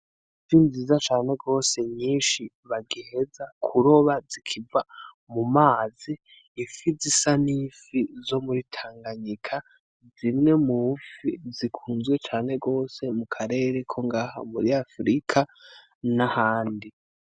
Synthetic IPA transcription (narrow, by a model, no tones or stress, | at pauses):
zinziːzat͡ʃaːn̥e̞ɡo̞ːse̞ɲiːnʃi | βaɡihe̞zakʰuɾo̞βazikʰiva | mumaːziː | fizisaniːfizo̞muɾitʰaːŋɡaɲikʰa | zimŋe̞mufizikʰuːnzɡwe̞t͡ʃaːn̥e̞ɡo̞ːse̞mukʰaɾe̞ɾe̞kʰo̞ŋɡaha̰muɾiafɾikʰa | nahaːndi